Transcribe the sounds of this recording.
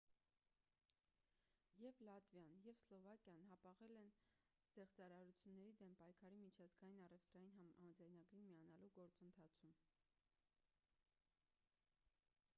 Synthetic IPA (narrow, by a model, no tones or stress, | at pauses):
jɛvlɑt̪vjɑnjɛvslɔvɑkjɑnɦɑpɑʁɛlɛn | z̥ɛχt͡sɑɾɑɾut͡sʰjunːɛɾid̪ɛmpɑjkʰɑɾimit͡ʃʰɑzɡɑjinɑrɛvt̪ɾɑjinɦɑɑmɑd͡zɑjnɑɡɾinmiɑnɑluɡɔɾt͡sənt̪ʰɑt͡sʰum